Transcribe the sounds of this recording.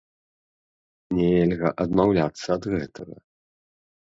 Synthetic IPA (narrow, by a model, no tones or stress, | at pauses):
nʲɛelʲɣɐʔɐd̪mawlʲat̪sːɐːd̪ɣɛt̪ʰɐɣɐ̰